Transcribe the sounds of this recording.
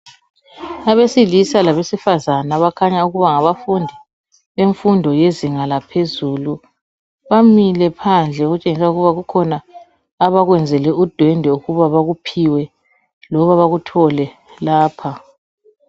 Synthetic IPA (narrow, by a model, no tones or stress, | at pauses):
aβesilisalaβesifazanaβakʰaɲauɣuβaŋaβafundʱi | βeɱfundʱɔjeziŋalapʰezuːlu | βamilɛpʰand͡ɮʱɛɣut͡ʃʼeŋisauɣuβaɣukʰɔnaː | βaɣwɛnd͡zʱɛlɛud̥ʱwɛndʱɛuɣuβaβaɣupʰiwɛ | lɔβaβaɣutʰɔlɛ | laːpʰa